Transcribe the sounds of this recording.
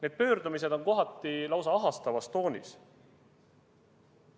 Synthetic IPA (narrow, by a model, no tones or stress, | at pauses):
ne̞ːd̪̥̚pø̞ːɾd̪umis̬e̞d̪̥o̞nko̞ɦɑt̪ːˑilɑwsɑɑɦɑst̪ɑvɑst̪o̞ːnʲḭs